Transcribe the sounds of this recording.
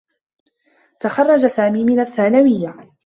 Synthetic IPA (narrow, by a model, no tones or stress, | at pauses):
t̪axɑrˤːɑd͡ʒasaːmiːmɪnaθːaːnawɪjːa